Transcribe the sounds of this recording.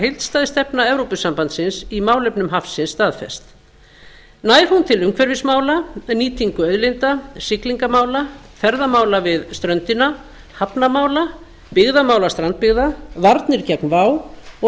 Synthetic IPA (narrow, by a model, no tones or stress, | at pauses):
hejlt̪st̪aːðɪst̪ɛpnaɛvɾowpʏsampant̪sɪnsimaːwlœpnʏmɦafsɪnsːt̪aːðfɛ̰st̪ | naːjɾ̥hunt̪ʰɪlʏŋkʰvɛɾvɪsmaːwlaniːt̪ʰiŋkʏœðlejnt̪asɪkliŋkamaːwla | fɛɾðamaːwlavɪðst̪ɾœnt̪ɪna | hapnamaːwla | pɪɣðamaːwlast̪ɾant̪̚pɪɣðavaɾt̪nɪɾ̥cɛknvaːwɔ